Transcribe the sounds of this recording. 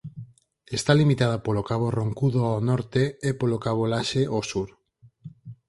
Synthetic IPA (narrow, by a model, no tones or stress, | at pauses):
est̪alimit̪að̞apolokaβoroŋkuðoaonɔɾt̪eepolokaβ̞olaʃeʔosuɾ